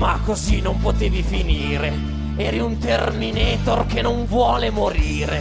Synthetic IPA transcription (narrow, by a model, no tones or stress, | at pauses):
makːozinompot̪eːvifiniːɾe | ɛːɾiunt̪ermineːt̪orkenoɱvwɔːlemoɾiːɾe